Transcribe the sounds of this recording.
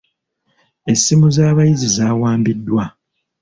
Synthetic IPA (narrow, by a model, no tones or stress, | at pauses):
e̞sːimuzaːβajizizaːwaːmbidːwa